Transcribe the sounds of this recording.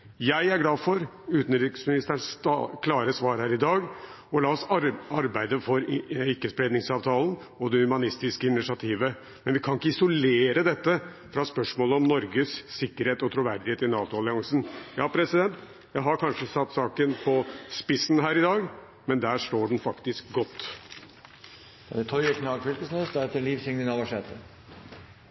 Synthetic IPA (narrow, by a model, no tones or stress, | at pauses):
jæɪæɾɡlɑːdfɔɾ | ʉːt̪n̩ɾɪksmɪnɪst̪əɳskʰlɑːɾəsʋɑːɾhæːɾɪd̪ɑːɡ | ɔlɑːɔsɑɾbæɪd̪əfɔɾɪkːəspɾeːd̪nɪŋsɑːʋt̪ʰɑːlən | ɔd̪ɛhʉmɑnɪst̪ɪskəɪnɪʂɑt̪ʰiːʋə | mɛnʋɪkʰɑnɪkːəɪsɔleːɾəd̪ɛt̪ːə | fɾɑspœʂmoːləɔmnɔɾɡəsːɪkːəɾheːt̪ɔt̪ʰɾʊʋæɾd̪ɪheːt̪ɪnɑːt̪ʊɑlɪɑŋsn̩jɑːpʰɾɛsɪd̪ɛnt̪ | jæɪɦɑɾkʰɑnʂəsɑt̪ːsɑːkənpʰɔspɪsn̩ɦæːɾɪd̪ɑːɡ | mɛnd̪æːʂʈoːɖɛnfɑkt̪ɪskɡɔt̪ː | æɾɛt̪ʰɔɾɛknɑːɡfʏlkəsnøsd̪ɛɾɛt̪əliːʋsɪŋnɪnɑʋɑʂeːt̪ə